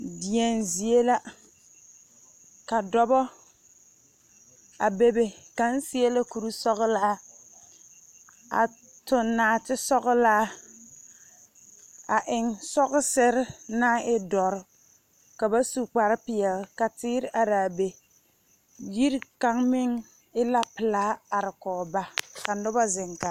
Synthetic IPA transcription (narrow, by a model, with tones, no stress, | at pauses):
dɪ˨ɛ˨nzi˨e˦la˦ | ka˨dɔ˦bɔ˦ | a˨be˦be˨ka˨n̩˦si˦e˦la˦ku˨ɾu˦sɔ˦ɣʊ˦la˦ | a̰˨ | tʊ˨nːaː˨˦˨tɪ˦sɔ˦ɣʊ˦laː˦ | a˨ʔɪ˨ŋsɔ˦ɣʊ˦sɪ˦ɾɪ˦na˦ɪ˦dɔ˨ɾ | ka˨ba˦su˨k͡pa˨ɾɪ˦pɪ˨ɛ˨lka˨tɪː˦ɾɪ˦ʔa˨ɾaː˨be˨ | ji˦ɾka˦ŋmɪ˦ŋ | ɪ˦la˦pɪ˨laː˦a˨ɾɪ˨kɔː˨ba˦ka˨nʊ˦ba˦zɪ˨ŋka˨